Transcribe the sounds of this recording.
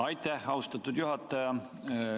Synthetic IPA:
ɑjt̪ːæhɑwst̪ɑt̪ːˑud̪̥juɦɑt̪ːˑɑjɑ

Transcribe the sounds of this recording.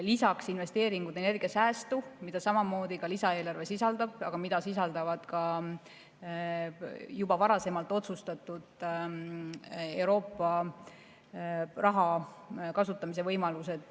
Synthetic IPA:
lisɑksinve̞st̪e̞ːɾiŋɡud̪̥e̞ne̞rɡ̥iɑsæːst̪umid̪̥ɑsɑmɑmo̞ːd̪̥ikɑlisɑe̞ːlɑrve̞sisɑld̪ɑb̥̚ɑɡ̥ɑmid̪ɑsis̬ɑld̪ɑvɑd̪̥kɑ | jubɑvɑɾɑse̞mɑlt̪ːˑo̞t̪sust̪ɑt̪ːˑud̪̥ | e̞wɾo̞ːpˑːɑ | rɑɦɑkɑsut̪ːˑɑmis̬e̞vɤjmɑluse̞d̪̥

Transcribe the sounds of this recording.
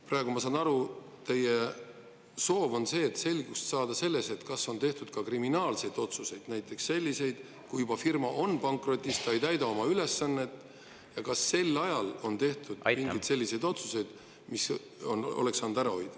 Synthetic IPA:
prɑeɡ̥umɑsɑːnɑɾu | t̪e̞je | so̞ːvo̞nse̞ːt̪ːˑse̞lʲɡ̥ust̪sɑːd̪ɑse̞lːe̞se̞t̪kɑsːo̞nt̪e̞ht̪ud̪̥̚kɑkriminɑːlse̞jd̪̥o̞t̪suse̞jd̪̥næjt̪ːˑe̞ksse̞lʲːise̞jd̪̥ | kujubɑfirmɑʔo̞npɑŋkˑro̞t̪ʲːˑist̪ɑejt̪æjd̪ɑo̞mɑyle̞sːɑnːe̞t̪ːˑ | jɑkɑsːe̞lːɑjɑlo̞nt̪e̞ht̪ud̪̥miŋɡɡij̪se̞lʲːise̞jd̪o̞t̪suse̞jd̪̥ | mis | ono̞̰le̞ksɑnud̪æɾɑo̞jd̪̥ɑ

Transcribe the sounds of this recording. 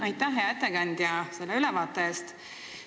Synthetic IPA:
ɑjt̪ˑːæɦeɑe̞t̪ːekɑnʲd̪̥jɑse̞lːeylɛvɑːt̪ːˑee̞ːst̪

